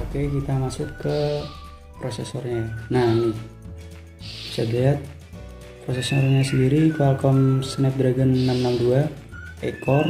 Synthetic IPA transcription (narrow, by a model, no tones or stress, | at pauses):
okekit̪amasʊkːə | pɾosɛ̰sɔrɲanani | saɡaat̪̚ | pɾosɛsɔrɲasəndiɾikalkɔmsənɛp̚d̪ɾaɡənːamnamdua | ɛkɔr